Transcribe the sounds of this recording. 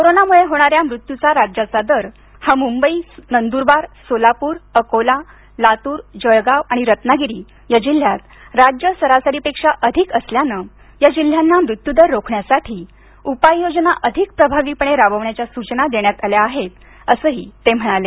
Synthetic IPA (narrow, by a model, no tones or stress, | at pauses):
koɾonamuɭeɦoɽ̃aɾjamɾut̪jut͡saɾad͡ʑat͡sad̪əɾ | hamumbəiːnənd̪uɾbaɾsolapuːɾəkola | lat̪uːɾd͡ʑəjɡaʋaɽ̃iɾət̪naɡiɾiː | jad͡ʑil̤ːjat̪ | ɾad͡ʑjəsəɾasaɾiːpekʂaʔəd̪ʱikəsljanə | jad͡ʑil̤janːamɾut̪jud̪əɾːokʰɳjasaʈʰiː | upajːod͡znaʔəd̪ʱik̚pɾəbʱaʋiːpəɳeɾabəʋɳjat͡ɕjasut͡ɕnad̪eɳjat̪aljaːɦet̪ | əsəːɦiːt̪ːem̤əɽ̃ale